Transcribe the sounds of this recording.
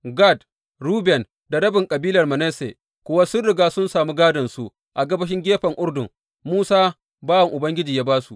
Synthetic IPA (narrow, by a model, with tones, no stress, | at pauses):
ɡa˦˨d | ɾuː˦bɛ˨n | da˨ɽɐ˦bɪ˨ŋkʼɐ˨biː˦lɐ˨rmɐ˨nɛ˦sḛ˨ | kʷʊ˦wa˦sʊ˦nɽɪ˨ɡaː˦sʊ˦nsaː˨muː˦ɡaː˦dɐ˨nsu˦ | ʔa˨ɡɐ˦bɐ˦ʃ̬ɪ˦ŋɡʲeː˦ɸɐ˨ŋʔʊ˦rdʊ˨ŋ | muː˦saː˦ | baː˦wɐ˨ŋʔʊ˨bɐ˦ŋɡʲɪ˦d͡ʒiː˨jaː˦baː˦su˨